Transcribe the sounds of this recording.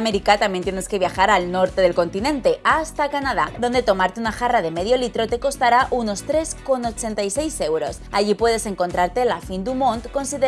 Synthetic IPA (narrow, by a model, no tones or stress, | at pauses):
me̞ɾikat̪amje̞nt̪je̞ne̞ske̞β̞jaxaɾalno̞ɾt̪e̞ð̞elko̞nt̪inẽ̞nt̪e̞ʔʔast̪akanað̞aðo̞nd̪e̞t̪o̞maɾt̪e̞unaxaraðe̞me̞ð̞jo̞lit̪ɾo̞t̪e̞ko̞st̪aɾaʔuno̞st̪ɾe̞sko̞no̞t͡ʃe̞nt̪ajse̞jse̞wɾo̞saʝipwe̞ðe̞se̞ŋko̞nt̪ɾaɾt̪e̞lafind̪umõ̞nt̪ko̞nsiðe